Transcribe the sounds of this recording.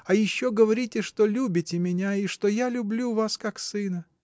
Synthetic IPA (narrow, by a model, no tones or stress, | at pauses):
ɐjɪɕːo̞ɡəvɐɾʲitʲɪʂt̪o̞lʲubʲɪtʲɪmʲɪnʲaiʂt̪o̞jalʲʊblʲuvaskaksɨnə